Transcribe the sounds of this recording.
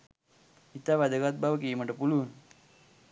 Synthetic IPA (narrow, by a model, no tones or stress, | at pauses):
it̪aʋad̪əkat̪̚baʋəkijməʈəpulun